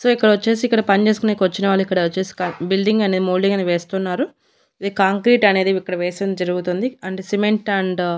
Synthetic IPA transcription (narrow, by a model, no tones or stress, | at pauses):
so̞ːikːɐɽɐʋɐt͡ʃːe̞ːs̬iːkːɐɽɐpɐnt͡ʃe̞ːs̬ukunekʋɐt͡ʃːinɐʋaːlːuikːɐɽɐt͡ʃeːsi̥kɐbilɖiŋɡɐned̪imoːɭɖiŋɡɐniʋeːst̪unːaːɾu | id̪ikaːŋkɾiːʈɐne̞ːd̪iikːɐɽɐʋeːseːnd͡ʒɐɾuɡut̪und̪iɐɳʈeːsimeɳʈɐɳɖ